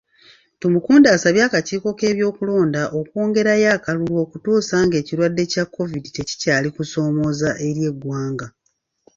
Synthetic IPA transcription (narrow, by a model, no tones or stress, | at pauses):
tumukuːndaːsaβjaːkaciːko̞ke̞ːβjo̞ːkulo̞ːndaʔo̞kwo̞ːŋɡe̞ɾajaːkalulwo̞ːkutuːsaːŋɡe̞ːciɾwadːe̞cakʰːo̞vidite̞ci̥caːlikuso̞ːmo̞zaʔe̞ɾje̞ɡːwaːŋɡa